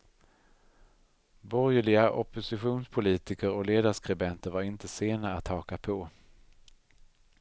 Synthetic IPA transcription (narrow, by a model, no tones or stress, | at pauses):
bɔɾjɭɪɡaʔɔpʊsɪɧuːnspʰʊliːt̪ɪkəɾɔleːd̪aʂkɾɪbɛnt̪əɾvaɾɪnt̪əseːnaat̪ʰːɑːkapʰɔ